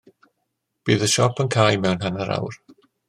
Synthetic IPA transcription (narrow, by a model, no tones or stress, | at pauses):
b̥iːðəʃɔpʰənkʰaːjmɛwnɦanaɾa̰wr